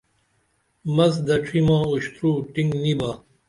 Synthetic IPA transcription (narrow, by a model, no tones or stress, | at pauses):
mɐsd̪ɐʈ͡ʂʰimãːuɕt̪ɾuːʈĩŋɡnibaː